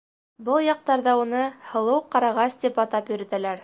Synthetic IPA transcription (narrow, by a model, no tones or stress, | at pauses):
bɤlˠjɑq̚t̪ɑɾðɑunɤhɤ̆lˠɤwqɑɾɑʁɑst̪ipɑt̪ɑpjɵ̆ɾɘ̆t̪ælæɾ